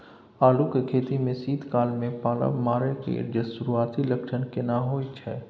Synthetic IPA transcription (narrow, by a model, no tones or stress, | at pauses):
aːlukekʰeːt̪imẽsiːd̪ʱkaːlmẽpaːla̰bmaːɾekḛɾd͡ʒəsʊɾuaːt̪ʰiləkʃənkenaɦoːit͡ʃʰɛː